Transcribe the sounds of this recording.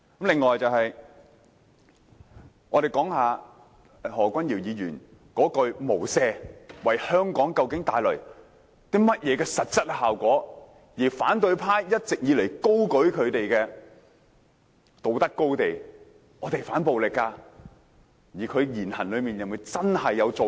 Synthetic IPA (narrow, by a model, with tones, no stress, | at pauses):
kɐ˦˥mlɪ˨ŋːɔː˨jt͡sɐ˨whɐ˨j | ŋɔː˧ɾe˨jkɔː˨˥ŋhaː˨˧ | hɔː˨˩kʷɐ˥njiː˨˩wjiː˨˧jyː˨˩n | kɔː˨˥kɵ˧ɥmo˨˩wsɛː˧wɐ˨jhœː˥ŋkɔː˨˥ŋkɐ˧wkɪ˨˥ŋt̪aː˨jlɵ˨˩ɥ | t̪iː˥mɐ˥t̚jɛː˨˧kɛː˧sɐ˨t̚t͡sɐ˥t̚a˧haː˨˩wkʷɔː˨˥ | jiː˨˩faː˨˥nt̪ɵ˨˧ɥpʰaː˥jjɐ˥t̚t͡sɪ˨k̚jiː˨˧le˨˩jko˥wkɵ˨˥ɥkʰɵ˨˧ɥt̪e˨jkɛː˧ | t̪o˨˩wt̪ɐ˥kːo˥wt̪e˨j | ɔː˨˧t̪e˨˩jfaː˨˥npo˨wlɪ˨kːaː˧ | jiː˨˩kʰɵ˨˧ɥjiː˨˩nhɐ̰˨˩nlɵ˨˧ɥmiː˨njɐ˨ŋmu˨˧t͡sɐ˥nhɐ˨jːɐ˨˧wt͡so˨